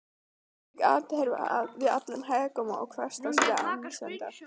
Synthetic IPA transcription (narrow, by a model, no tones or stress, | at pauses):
ɛka̰ːt̪hɛɾva̰aðvɪða̰t̪nanɦaːjɣakɔːmaa̰wkʰvɛr̥st̪asia̰ʔa̰nɪ̥sɛnt̪ḁ